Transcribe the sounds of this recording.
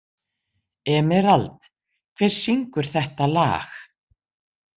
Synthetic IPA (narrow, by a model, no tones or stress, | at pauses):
ɛmɛɾalt̪ | kʰvɛɾ̥siŋkʏɾ̥θɛht̪ala̰ːx